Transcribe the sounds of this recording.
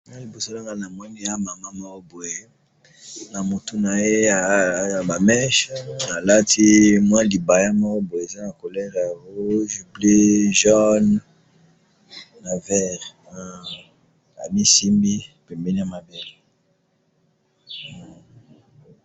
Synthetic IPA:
ma˦li˨bo˨so˦la˦ŋɡa˦na˨mwɛ˦ni˦ja˦ma˨ma˦mɔ˦ko˦bo˨je˦ | na˨mo˨tu˦na˨je˦a˨˦˨ba˨mɛ˦ʃa˨la˦ti˦mwã˦li˨ba˨ja˦mɔ˦ko˦bo˨e˨e˨za˦na˨ko˨lɛ˦ʁja˨wo˦ʒu˨ble˦ʒɔ˦n | na˨vɛ˦ʁ | a̰˨mi˦si˦mbi˦pɛ˨mbe˦ni˦a˨ma˦bɛ˦l

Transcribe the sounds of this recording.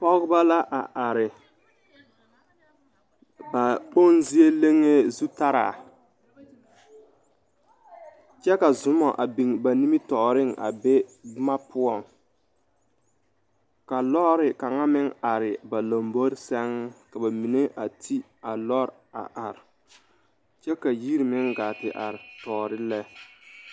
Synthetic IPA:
pɔ˦ɡɪ˦ba˦la˦ʔa˨ʔa˨ɾɪ˨ | ba˨po˦˨nzi˦e˦le˦ŋe˦zu˦ta˦ɾa̰ː˨ | t͡ʃɛ˦ka˨zʊ˨˦mɔ˨ʔa˨bi˨ŋba˨ni˦mi˦tɔ˨ɾɪ˦ŋʔa̰˨be˦ma˦pʊ˦ɔ˨ŋ | ka˨lɔ˦ɾɪ˨ka˨ŋa˦mɪ˦ŋa˨ɾɪ˨ba˨lo˨mbo˦ɾsɛ˦ŋ˦ka˨ba˨mi˨ne˦ʔa˨tʰi˦ | a˨lɔ˦ɾ | a̰˨ʔa˨ɾɪ˨ | t͡ʃɛ˦ka˨ji˦ɾi˨mɪ˦ŋɡaː˨tɪ˨ʔa̰˨ɾɪ˨tɔː˨ɾɪ˦lɛ˦

